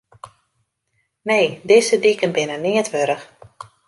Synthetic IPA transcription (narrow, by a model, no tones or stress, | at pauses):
nejdɪsədikənbɪnənɪətʋøɾəx